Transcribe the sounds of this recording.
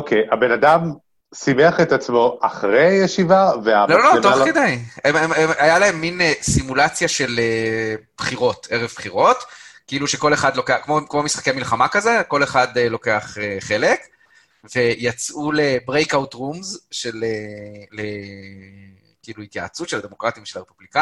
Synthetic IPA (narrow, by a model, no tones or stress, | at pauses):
okʰejabe̞nad̪am | simeaχet̪at͡smo̞aχʁejeʃivavealolotoχked̪ajemememajalae̞mːinsimulat͡sjaʃe̞leb̥χiʁo̞te̞ʁevbχiʁo̞tkiiluʃe̞ko̞le̞χad̪lo̞keakmokmomisχḁkejamilχamakaze̞ko̞le̞χad̪elo̞ke̞aχeχe̞le̞k | ve̞jat͡sʔulebʁejkawtʁumzʃelele | kiiluit̪jaat͡sutʃe̞lad̪e̞mo̞kʁat̪iimʃelaʁepublika